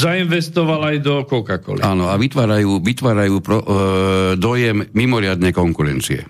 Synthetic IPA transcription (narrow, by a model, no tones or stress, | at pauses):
zainʋɛst̪ɔʋalajd̪ɔkɔkakɔ̰liaːnɔaʋit̪ʋaːɾajuːʋit̪ʋaːɾajuːpɾɔ | d̪ɔjɛmːimɔɾɪad̪nɛjkɔŋkuɾɛnt͡siɛ̰